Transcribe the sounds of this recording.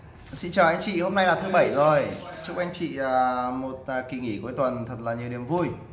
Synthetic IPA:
sḭ˧˥nt͡ɕəː˨˩ʔa˧jŋ̟t͡ɕḭ˧˨ho˧mna˧jlaː˨˩t̪ʰɨ˨˦ɓə˧˩jzo˨˩jt͡ɕu˦˥k̚ʔa˧ŋ̟t͡ɕḭ˧˨əː˨˩mo˨˩t̚ːki˨˩ŋi˧˩ku˨˩˦jt̪wə˨˩nt̪ʰə˨˩t̚laː˨˩ɲi˨əwɗi˨˩əmvu˧j

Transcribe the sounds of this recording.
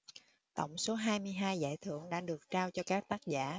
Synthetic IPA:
t̪ə̰˧˩˨wŋ͡mso˨˦ɦaː˧jmɨ˧əjɦaː˧jza̰ː˧˨jt̪ʰɨ̰˧˨əŋɗa̰ː˧˥ɗɨ˨˩ək̚t͡ɕaː˧wt͡ɕɔ˧kaː˦˥k̚t̪aː˦˥k̚za̰ː˧˩

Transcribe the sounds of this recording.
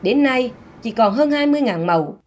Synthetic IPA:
ɗe˨˦nːa˧j | t͡ɕḭ˧˩kɔ˨˩nɦəː˧nhaː˧jmɨ˧əjŋaː˨˩nmə˨˩w

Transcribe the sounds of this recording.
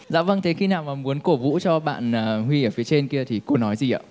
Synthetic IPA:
za̰ː˧˥və˧ŋt̪ʰe˨˦xi˧naː˨˩wmaː˨˩mu˨˦ənko˧˩vṵ˧˥t͡ɕɔ˧ɓa̰ː˧˨nəː˨˩hwi˧ʔəː˧˩fi˨˦t͡ɕe˧nki˧ət̪ʰi˨˩ko˧nɔ˨˦jzi˨˩ʔə̰ː˧˩

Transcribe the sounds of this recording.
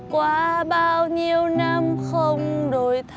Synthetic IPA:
kwaː˨˦ɓaː˧wɲi˧əwna˧mxə˧wŋ͡mɗo˨˩˦jt̪ʰ

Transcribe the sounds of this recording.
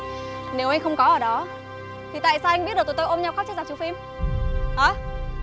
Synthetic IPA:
ne˨˦wʔa˧ŋ̟xə˧wŋ͡mkɔ˨˦ʔəː˧˩ɗɔ˨˦ | t̪ʰi˨˩t̪a̰ː˧˨jsaː˧wʔa˧jŋɓi˦˥t̚ɗ̚t̪ʰːt̪o˧jʔo˧ɲa˧wxa˦˥t͡ɕa˧zaː˨˩t͡ɕu˨˦fi˧m | ʔəː˨˧˦

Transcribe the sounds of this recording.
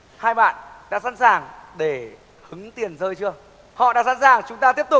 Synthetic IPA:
haː˧jɓa̰ː˧˨nɗa̰ː˧˥sa˧˥nsaː˨˩ŋɗe˧˩ | hɨ˨˦ŋt̪i˨˩ənzəː˧jt͡ɕɨ˧ə | hɔ̰˧˨ɗa̰ː˧˥sa̰˧˥nsaː˨˩ŋt͡ɕʊ˨˦ŋ͡mt̪aː˧t̪i˦˥əp̚t̪ʊ˨˩k͡p̚

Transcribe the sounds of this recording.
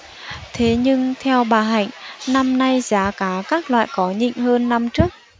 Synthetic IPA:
t̪ʰe˨˦ɲɨ˧ŋt̪ʰɛ˧wɓaː˨˩ɦa̰˧˨jŋ̟na˧mna˧jzaː˨˦kaː˨˦kaː˦˥k̚lwa̰ː˧˨jkɔ˨˦ɲḭ˧˨ŋ̟həː˧nːa˧mt͡ɕɨ˦˥ək̚

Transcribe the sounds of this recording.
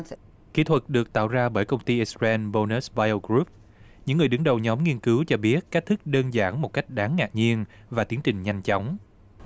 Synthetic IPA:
ki˨˥t̪ʰwə˨˩t̚ɗɨ˨˩ək̚t̪a̰ː˧˨wzaː˧ɓəː˧˩jkə˧wŋ͡mt̪i˧ʔi˦˥spɛ˧nɓo˧ne˦˥sɓaː˧jo˧ɡɾu˦˥p̚ | ɲɨ̰˧˥ŋːɨ˨˩əjɗɨ˨˦ŋɗə˨˩wɲɔ˨˦mŋi˧ənkɨ˨˦wt͡ɕɔ˧ɓi˦˥ət̚ka˦˥t̪ʰɨ˦˥k̚ɗəː˧nzaː˧˩nmo˨˩t̚ka˦˥jk̟̚ɗaː˨˦ŋːa̰ː˨˩t̚ɲi˧ənvaː˨˩t̪i˨˦ənt͡ɕï˨˩ŋ̟ɲa˧jŋ̟t͡ɕɔ˨˦wŋ͡m

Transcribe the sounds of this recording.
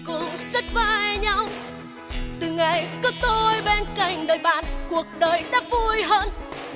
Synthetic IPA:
kʊ̰˧˥ŋ͡msə˦˥t̚vaː˧˩jɲa˧w | t̪ɨ˨˩ŋa˨˩jkɔ˨˦t̪o˧jɓe˧nka˧˩˨jŋ̟ɗəː˨˩jɓa̰ː˧˨nku˨˩ək̚ɗəː˨˩jɗa̰ː˧˥vu˧jɦəː˧n

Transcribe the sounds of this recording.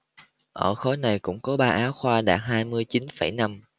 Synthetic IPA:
ʔəː˧˩xɔ˨˦jna˨˩jkʊ̰˧˥ŋ͡mkɔ˨˦ɓaː˧ʔaː˨˦wxwaː˧ɗa̰ː˨˩t̚ɦaː˧jmɨ˧əjt͡ɕi˨˦nfa˧˩jna˧m

